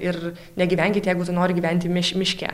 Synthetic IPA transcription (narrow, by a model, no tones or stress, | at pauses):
ɪr | nʲɛɡʲiːʋʲɛŋʲkʲɪt̪ʲjɛɪɡʊt̪ʊnoːɾʲɪɡʲiːʋʲɛnʲt̪ʲɪmʲɪʃʲmʲɪʃʲkʲɛ̰ː